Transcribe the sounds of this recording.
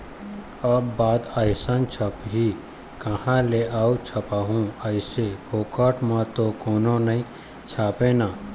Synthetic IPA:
əbbaːd̪əjsənt͡ʃʰəpɦi | kəhãleʔaːut͡ʃʰɐpaːɦũəɪsepʰoːkəʈmãt̪okoːnonɐĩ | t͡ʃʰaːpẽnaː

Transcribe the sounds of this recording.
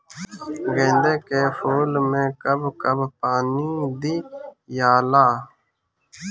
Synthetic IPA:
ɡẽːnd̪eːkefoːlmẽːkəbkəbpaːnid̪iːjaːlaː

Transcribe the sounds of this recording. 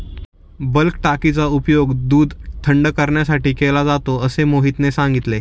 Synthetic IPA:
bəlkʈakit͡saupjoɡd̪uːd̪ʱt̪ʰəɳɖəkəɾɳjasaʈiːkelad͡zat̪oəsemoɦit̪nesãŋɡit̪le

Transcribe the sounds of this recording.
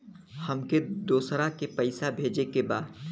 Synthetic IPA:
hɐmked̪oːsɾakepɐɪsabʱeːd͡ʒekebaːd̪

